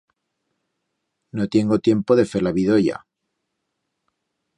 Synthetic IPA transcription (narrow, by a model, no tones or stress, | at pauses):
not̪je̞ŋɡot̪je̞mpo̞ðefeɾlaβiðo̞ja̰